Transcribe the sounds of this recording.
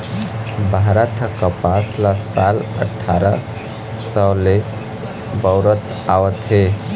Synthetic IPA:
bʱaɾət̪ʰkəpaslasalə̰ʈʰːaɾə | səle | bəʊɾət̪ | awət̪ɦe

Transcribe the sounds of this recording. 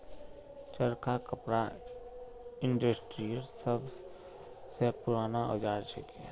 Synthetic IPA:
t͡ʃəɾkakəpɾa | ɪ̃ɳɖəsʈɾiəlsəb | sepʊɾaːnao̰d͡ʒaːɾt͡ʃʰḛkḭ

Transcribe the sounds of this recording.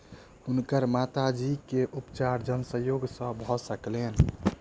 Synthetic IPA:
unkəɾmat̪ad͡ʒikeʔupt͡ʃaɾd͡ʒənsəjoɡsə̃bʱɔsəklen

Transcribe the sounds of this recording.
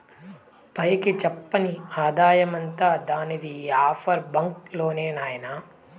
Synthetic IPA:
pɐjɐkit͡ʃɛpːɐniaːd̪aːjɐmɐnt̪aːd̪aːnid̪iaːpʰɐɾbɐŋklo̞ːneːnaːjɐna

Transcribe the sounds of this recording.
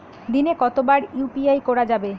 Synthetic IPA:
d̪inekɔt̪obaɾupiajkɔɽad͡ʑabe

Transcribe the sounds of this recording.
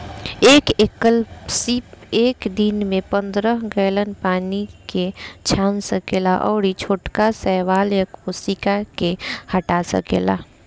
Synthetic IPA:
eːkekəlsipeːkd̪inmẽpə̃nd̪ɾəɦɡəːlənpaːniket͡ʃʰaːnsəkeːlaʔɔ̰ːɾit͡ʃʰoːʈkasɛːʋaːljəkusikakehəʈasə̰kḛːla̰

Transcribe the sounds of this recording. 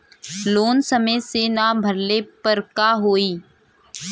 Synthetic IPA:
loːnsəməjsenabʱəɾlepəɾkaɦoːiː

